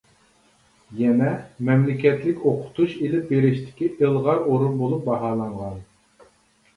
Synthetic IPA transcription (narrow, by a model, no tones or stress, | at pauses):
jɛnɛmɛmlɪkʲɛt̪lɪkʲoqʰʊ̥t̪ʰuʃelɪp̚beɾɪʃt̪ʰɪ̥kʲiʔɨlˠʁɑɾoɾunbolˠup̚bɑɦɑːlˠɑɴʁɑn